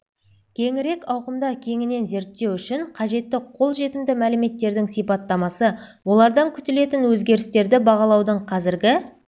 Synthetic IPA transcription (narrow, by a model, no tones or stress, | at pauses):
kʲʰe̞ŋɪɾe̞kɑwqəmd̪ɑkʲʰe̞ŋɪne̞nze̞ɾt̪ːe̞wʏʃɪɴqʰɑʒe̞t̪ːɪqʰo̞lˠʒe̞t̪ɪmd̪ɪmælɪme̞t̪ːe̞ɾd̪ɪŋsijpɑt̪ːɑmɑsəwo̞lˠɑɾd̪ɑŋkʲʰʏ̥t̪ɪle̞t̪ɪnwɵzɡʲe̞ɾɪst̪e̞ɾd̪ɪbɑʁɑlˠɑwd̪əɴqʰɑzɪɾɡʲɪ